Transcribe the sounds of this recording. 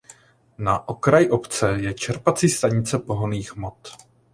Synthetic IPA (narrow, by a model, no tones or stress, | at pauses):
naʔokɾajʔo̞pt͡sɛjɛt͡ʃɛɾpat͡sist̪aɲɪt͡sɛpo̞ɦoniːxmot̪